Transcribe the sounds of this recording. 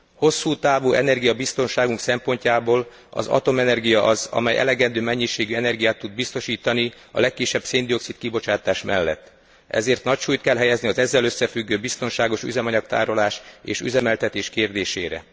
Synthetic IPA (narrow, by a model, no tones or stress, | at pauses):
ho̞sːuːt̪aːvuːʔɛnɛrɡijɒbist̪o̞nʃaːɡuŋksɛmpo̞ɲcaːboːl | ɒ̰zɒ̰t̪o̞mɛnɛrɡijɒʔɒzɒ̰mɛjʔɛ̰lɛɡɛnd̪øːmɛɲːiʃeːɡyɛnɛrɡijaːt̪ːud̪̚bist̪o̞ʃiːt̪ɒni | ɒ̰lɛkːiʃːɛb̥seːnd̪io̞ksit̪̚kibo̞t͡ʃaːt̪aːʃmɛlːɛ̰t̪ː | ɛ̰zeːrt̪nɒcʃuːjt̪kɛlɦɛjɛzniɒzɛzːɛløsːɛfyɡːøːbist̪o̞nʃaːɡo̞ʃy̰zɛmɒɲɒkt̪a̰ːɾo̞laːʃḛːʃy̰zɛmɛlt̪ɛt̪eːʃkeːrd̪eːʃeːɾɛ̰